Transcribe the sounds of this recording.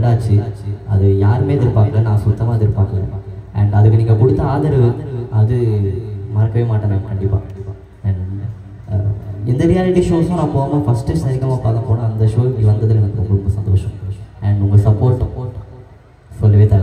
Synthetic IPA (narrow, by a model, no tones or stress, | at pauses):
ɽaːt͡ʃːɯɐ̰ðɯjaːɾɯmeːðɪɾɯpːaːkɐlɐnãːsʊt̪ːɐmaːðɪɾɯpːaːŋɐlḛ̃ɛ̃ɳɖɐðɯkːɯniːŋɡɐkʊɽɯt̪ːɐaːðɐɾɐʋɯɐðɯ | mɐɾɐkːɐʋeːmaːʈːɐnãːkɐɳɖɪpːa̰ː | ɛɳɖ | ɪnd̪ɐɾɪjaːlɪʈːiʂoːsːnãːpoːmãːfɐsʈɐsɐɾɪkːɐmaːpaːkɐ̃poːnãːɐnd̪ɐʂoːɪŋɐʋɐnd̪ɐðɪlɛnɐkːɯɾɔmɐɾɔmbɐsɐnd̪oːʂɐ̃mɛɳɖʊŋɡɐsɐpːoːɾʈːɐ | sɔlːɐʋeːt̪aː